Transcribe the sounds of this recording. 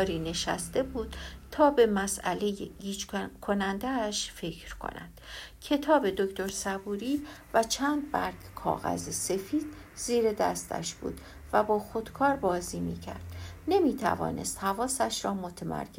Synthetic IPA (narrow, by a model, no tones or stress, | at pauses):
ɾiːne̞ʃæ̰st̪e̞buːd̪̥t̪ʰɒːbe̞mæsæle̞jeɡiːt͡ʃkʰo̞nænd̪æʃfe̞cʰɾkʰo̰næ̰nd̪̥cʰe̞t̪ʰɒːbe̞d̪oct̪o̞ɾsæbuːɾiː | væt͡ʃʰæːnd̪̚bæɾɡkʰɒ̰ːɣæ̰zese̞fiːd̪̥ | ziːɾe̞d̪æ̰st̪ʰæ̰ʃb̥ṵːd̪̥ | væbɒːxo̞d̪kʰɒːɾbɒːziːmḭːcʰæ̰ɾd̪̥ne̞miːt̪ʰæ̰vɒ̰ːne̞̰st̪hævɒːsæʃɾɒːmot̪ʰemæ̰ɾkʰe